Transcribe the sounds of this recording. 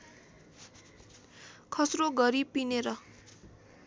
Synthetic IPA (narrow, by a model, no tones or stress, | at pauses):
kʰʌsroɡʌɾipineɾʌ